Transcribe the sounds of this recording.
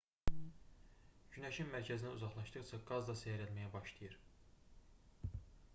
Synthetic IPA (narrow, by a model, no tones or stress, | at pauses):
ɟynæʃinmæɾcʰæzinæuzɑχlˠɑʃd̪ɯχt͡ʃʰɑɡɑzd̪ɑsæjɾælmæjæbɑʃlˠɯjɯɾ